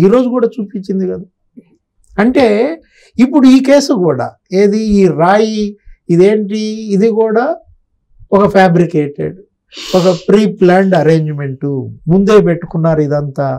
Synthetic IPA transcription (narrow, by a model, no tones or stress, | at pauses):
iːɾo̞ːd͡ʒukuːɽaːt͡ʃuːpit͡ʃːind̪ikɐd̪a | ɐɳʈe̞ː | ipːuɽuiːkeːsukuːɽa̰ː | eːd̪iiːɾaːjiid̪e̞ːɳʈiːd̪ikuːɽaː | ɔkɐpʰaːbɾikeːʈḛɖ | ɔkɐpɾiːplaːɳɖɐɾe̞ːɲd͡ʒme̞ɳʈumund̪e̞ːp̬e̞ʈːu̥kunːaːɾuid̪ɐnt̪aː